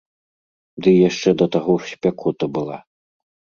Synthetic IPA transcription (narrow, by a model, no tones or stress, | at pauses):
d̪ɨjaʂt͡ʂɛd̪ɐt̪aɣɔʂsʲpʲakɔt̪ɐbɨlˠa̰